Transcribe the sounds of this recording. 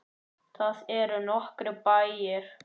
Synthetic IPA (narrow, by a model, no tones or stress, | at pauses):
θaðɛɾʏnɔhkɾʏpajɪɾ̥